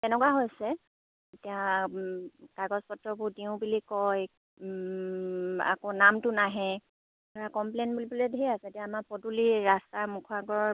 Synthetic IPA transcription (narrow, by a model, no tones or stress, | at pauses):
tɛnɛkwaɦojsɛ | etija | kaɡɔspɔtɹɔbʊɹdiʊ̃bilikɔj | a̰konamtʊnaɦɛ | aɹakɔmplenbulibuledʱejasɛetijaːmaɹpɔduliɹastamukʰɔaɡɔɔ